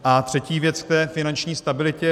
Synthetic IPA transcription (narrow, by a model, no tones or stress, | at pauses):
ʔat̪r̝̥ɛciːvjɛt͡sk̚t̪ɛːfɪnant͡ʃɲiːst̪abɪlɪcɛ